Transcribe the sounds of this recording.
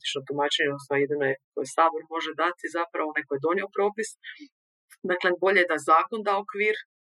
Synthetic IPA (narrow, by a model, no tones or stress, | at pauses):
t̪i̥t͡ʃnot̪umaːt͡ʃeɲeosajed̪inojekojsaːboɾmo̞ʒed̪at̪izapɾaʋoonajkoje̞d̪o̞nio̞pɾo̞ːpis | d̪aklebo̞ʎejed̪azaːko̞nd̪aokʋiːɾ